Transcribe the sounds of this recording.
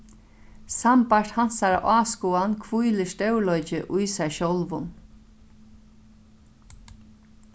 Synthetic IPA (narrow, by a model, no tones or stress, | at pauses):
sampaɹ̥t̪hansaɾa̰ʔaːskuːankʰvujlɪst̪œwlɔjt͡ʃɪʔʊjsɛjʃɔlʋʊn